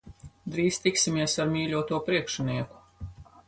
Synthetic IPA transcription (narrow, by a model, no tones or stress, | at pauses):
d̪ɾiːst̪iksimʲiɛsaɾmiːlʲuɔt̪uɔpɾiɛkʃuniɛku̥